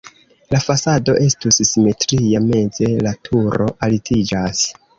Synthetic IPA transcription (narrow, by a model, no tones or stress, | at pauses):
lafasado̞ʔe̞stusːime̞tɾijame̞nze̞latʰuɾo̞ʔalitʰid͡ʒas